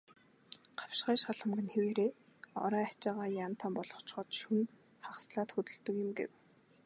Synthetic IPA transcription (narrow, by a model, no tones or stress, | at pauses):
ɢḁwʃχæːʃχaɮə̆mɡɘ̆nxeweɾeːɔ̰ɾœːat͡ɕaːʁaːjaːn̥t̪ʰaːmpɔɮɞ̥̆χt͡ɕχɔːt̪ʃun | χawsɮaːt̪xɵt̪ɵ̆ɮt̪ɵ̆kjʊ̆mɡḛw